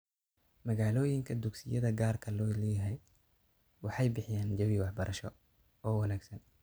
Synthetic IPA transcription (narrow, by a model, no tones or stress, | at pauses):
mɐɣaːlɔːjɪŋkʰɐd̪ʊɡsɪjɐðɐɡaːrkʰɐlɔːlɛːjɐɦɛj | wɑħɑjbɪħɪjaːnd͡ʒɐwiwɑħbɐɾʔɐʃɔ | ɔːwɐnaːɡsɐn